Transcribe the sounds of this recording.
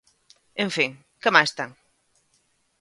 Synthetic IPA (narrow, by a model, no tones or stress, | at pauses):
ẽɱfiŋ | kəmajst̪aŋ